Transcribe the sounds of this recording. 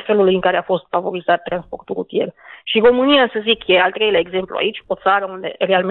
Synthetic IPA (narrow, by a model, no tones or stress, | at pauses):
fe̞lulujɨŋkaɾe̞afo̞st̪favo̞ɾizat̪ːɾanspo̞̰rt̪uɾṵt̪je̞rʃiro̞mɨniasəzikje̞alt̪ɾe̞jleaeɡze̞mplṵa̰it͡ʃʲo̞t̪saɾəund̪e̞̰re̞alm